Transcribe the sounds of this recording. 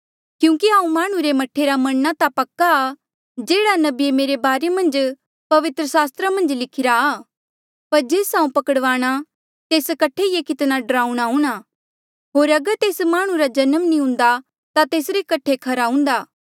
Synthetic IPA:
kjũːkiaːũmaːɽ̃ũɾemɐʈʰːeɾamɐnːat̪apɐkːaː | d͡ʒeːɽanɐbiemeːɾebaːɾemɐ̃nd͡ʒ | pɐʋɪt̪ɾəsaːst̪ɾamɐ̃nd͡ʒlɪkʰɪɾaː | pɐɾd͡ʒeːsãːũpɐkəɽʋaːɽ̃a | t̪eːskɐʈʰːejekɪt̪naɖɾaːũɽ̃aɦʊ̃ːɽ̃a | ɦoːɾɐɡəɾt̪eːsmaːɽ̃ũɾad͡ʒɐnəmnĩɦʊ̃ːnd̪a | t̪at̪eːsɾekɐʈʰːekʰɐɾaɦʊ̃n̆d̪aː

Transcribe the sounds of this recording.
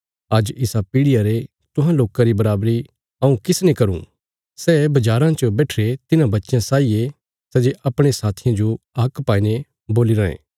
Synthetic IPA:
ɐd͡ʒɪsapiːɽɪjaɾe | t̪ʊ̃ɦãloːkaɾibɐɾaːbɾi | ɐũkɪsnekɐɾṵ̃ | sɛːbɐd͡ʒaːɾãt͡ʃobɛːʈʰɾet̪ɪnãbɐtːʃjãsaːie | sɛd͡ʒeʔɐpɽ̃esaːt̪ʰijãd͡ʒo | ɐkpaːine | boːliɾãːḛ̃ː

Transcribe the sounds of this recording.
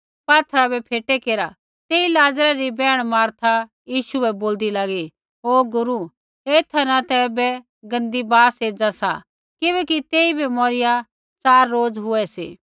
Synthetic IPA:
paːt̪ʰɾabɛpʰeːʈɛkeːɾa | t̪eːilaːd͡zɾaɾibɛːɽ̃maːɾt̪ʰa | jiːʃuɛboːld̪ilaːɡi | oːɡʊɾu | eːt̪ʰanat̪ɛːbɛ | ɡɐ̃nd̪ibaːseːd͡zasa | kɪbɛːkit̪eːibʱɛmɔɾɪja | t͡saːɾːoːd͡zɦʊɛsḛː

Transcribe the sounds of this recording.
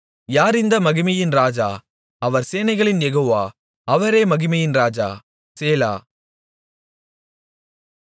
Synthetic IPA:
jaːɾɪnd̪ɐmɐɣɪmɪjɪnɾaːd͡ʒa̰ː | ɐʋɐɾseːnɐɪɣɐɭɪnjɛɣoːʋaː | ɐʋɐɾeːmɐɣɪmɐjɪnɾaːd͡ʒa̰ː | seːla̰ː

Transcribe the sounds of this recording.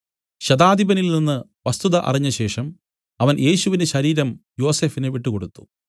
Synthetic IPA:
ɕɐd̪aːd̪ibɐnilninːɨ | ʋɐst̪uðɐʔɐ̰riɲːɐɕe̞ːʂɐm | ɐʋɐnjʔe̞ːɕuʋindeɕɐɾiːɾɐmjo̞ːse̞ːfineʋiʈːuko̞ɽut̪ːu̥

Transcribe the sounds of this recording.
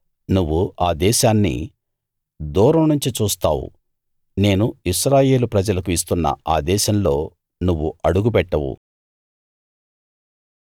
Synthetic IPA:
nuʋːuaːd̪ɛːʃaːnːḭ | d̪ɔːɾɐmnuɲt͡ʃit͡ʃuːst̪a̰ːwṵ | ne̞ːnuiʃɾaːje̞ːlupɾɐd͡ʒɐlɐkuis̬t̪unːɐ̰aːd̪ɛːʃɐmlo̞ː | nuʋːuʔɐɽuɡupɛʈːɐwṵ

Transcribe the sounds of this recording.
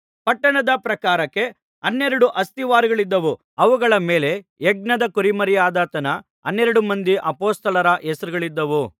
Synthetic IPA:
pɐʈːɐɳɐd̪ɐpɾɐkaːɾɐkːe̞ | ɐnːeɾɐɽuʔɐst̪iʋaːɾiɡɐɭid̪ːɐʋu | ɐʋuɡɐɭɐmeːle̞eɡ̚nɐd̪ɐkuɾimɐɾijaːd̪ɐt̪ɐnɐ | ɐnːeɾɐɽumɐnd̪iʔɐpoːst̪ɐlɐɾɐʔesɐɾuɡɐɭid̪ːɐʋu

